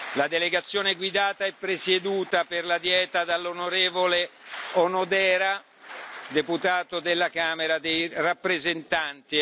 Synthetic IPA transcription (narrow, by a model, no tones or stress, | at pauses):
lad̪eleɡat̪sːjoːneɡwid̪aːt̪aɛpːɾesed̪uːt̪aperlad̪jɛːt̪ad̪alːonoɾeːvoleonod̪ɛːɾa | d̪eput̪aːt̪od̪elːakaːmeɾad̪ejrapːɾezent̪ant̪i